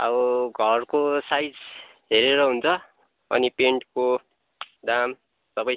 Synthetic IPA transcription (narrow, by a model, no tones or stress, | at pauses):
ʌ̰bɡʱʌrkosajd͡z | ɦeɾeɾʌɦunt͡sʰʌ | ʌ̰nipeɳʈko | d̪am | sʌbʌ